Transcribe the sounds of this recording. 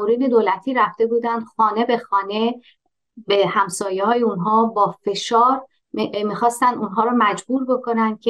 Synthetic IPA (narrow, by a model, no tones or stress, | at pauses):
oɾiːd̪e̞d̪oːlæt̪ʰiːɾæft̪e̞buːd̪ænd̪̥xɒːne̞be̞xɒːne̞ | be̞hæmsɒːjehɒːjeunɦɒːbɒːfe̞ʃɒːɾ | miːxɒːst̪ænd̪unɦɒːɾɒːmæd͡ʒbuːɾbo̞kʰo̞nænd̪̥̚cʰe